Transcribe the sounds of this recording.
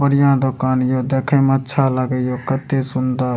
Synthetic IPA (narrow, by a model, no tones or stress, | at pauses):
bəɽɪjãːd̪okaːnjoːd̪eːkʰẽmətːʃʰaləɡəjoːkət̪ːesʊnd̪ə